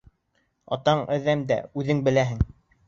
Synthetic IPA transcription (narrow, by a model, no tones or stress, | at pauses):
ɑ̰t̪ɑɴʔɘ̆ðæmd̪æ̰ʉðɘŋbɘ̆læɦɘŋ